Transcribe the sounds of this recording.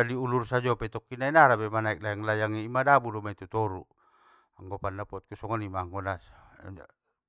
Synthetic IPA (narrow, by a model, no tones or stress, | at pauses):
adiulursad͡ʒɔpɛt̪ɔkːinainaɾabɛmanaik̚lajaŋlajaŋiːmadabudɔmait̪ut̪ɔɾu | aŋɡɔpanːapɔt̪̚kusɔŋɔnimaːŋɡɔna̰